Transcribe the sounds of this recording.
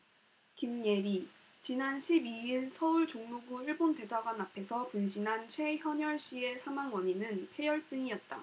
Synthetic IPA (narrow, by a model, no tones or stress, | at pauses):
kimɲe̞ɾi | t͡ɕinanɕʰibiiɭsʰʌuɭt͡ɕoŋmuɡuiɭbonde̞d͡ʑaɡwanapʰe̞sʰʌpunɕʰinɦant͡ɕʰwe̞çjʌɲjʌɭɕ͈ie̞sʰamaŋwʌɲinɯnpʰe̞jʌɭt͡ɕ͈ɯŋiʌt̚t͈a̰